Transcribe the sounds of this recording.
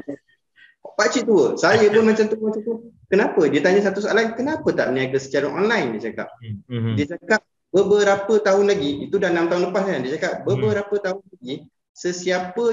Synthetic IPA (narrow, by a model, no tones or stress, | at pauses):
pat͡ʃiʔt̪uəsajəpʊnmat͡ʃamt̪ut͡ʃamt̪ukənapədiət̪aɲəs̬at̪usaalankənapət̪a̰ʔnĩaɡəsə̥t͡ʃaɾaʔɔnlajndiət͡ʃaka̰p̚diət͡ʃakap̚ | bəbəɾapət̪aɦʊnlaɡiit̪udanamt̪aɦʊunləpasɲandiət͡ʃakap̚bəbəɾapət̪aɦʊnlaɡi | səsiapə